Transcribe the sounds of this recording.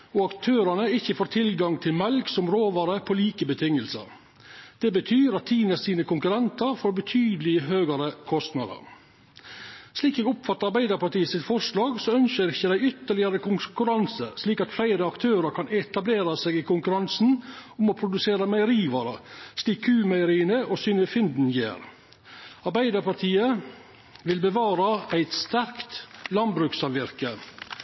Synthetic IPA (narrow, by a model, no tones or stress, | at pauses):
ɔɑkt̪ʰøːɾɑnəɪçːəfoːɾt̪ʰɪlɡɑŋt̪ʰɪlmɛlksɔmɾoːʋɑɾəpʰɔliːkəbət̪ʰɪŋːəlsə̰ɾ | d̪̥ɛbət̪ʰyːɾɑt̪ʰːiːnəsiːnəkʰʊŋkʉɾɛnt̪ɑɾfoːɾbət̪ʰyːd̪əlɪɦøːɡəɾəkʰɔst̪nɑ̰ːd̪ə̰ɾ | sliːkɛɡʊpfɑt̪ːɑɑɾbæɪd̪ɑɾpɑʈiːəsɪt̪fɔʂlɑːɡsɔœnçəɾɪçːəd̪æɪʏt̪ːəɭɪɑɾəkʰʊŋkʉɾɑnsəsliːkɑt̪flæɪɾəɑkt̪ʰøːɾɑɾkʰɑnɛt̪ɑbleːɾɑseːɡɪkʊŋkʉɾɑnsn̩ʊmoːpʰɾʊd̪ʉseːɾɑmæɪəɾiːʋɑɾɑsliːkʰːʉːmæɪəɾiːənəʔoːsʏnəfɪnd̪n̩jḛːɾ | ɑɾbæɪd̪əɾpɑʈ̪ʰiːə | ʋɪlbəʋɑːɾɑæɪt̪st̪æɾkt̪lɑnbɾʉksɑlʋɪɾkə